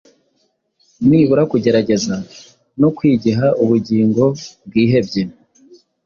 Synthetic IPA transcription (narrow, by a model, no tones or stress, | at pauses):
miːβuɾakuɟe̞ɾaɟe̞za | nokwiːɟiɦaʔuβuɟiːŋɡo̞b̚ɡiːɦe̞bɟe